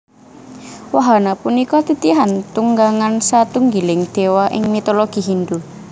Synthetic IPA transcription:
waɦanapunikɔt̪it̪iɦant̪uŋɡaŋansat̪uŋɡilɪŋd̪̥e̤waʔɪ̰ŋmit̪oloɡ̥i̤ɦind̪u

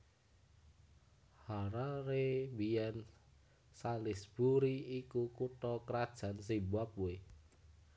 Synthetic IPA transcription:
haɾaɾebijɛn | salɪsb̥uɾiikukuʈɔkɾad̥ʒ̥a̤nsibap̚uwe

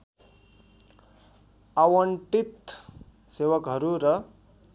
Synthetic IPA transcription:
awəɳʈit̪ | seʋəkɦəɾuɾʌ

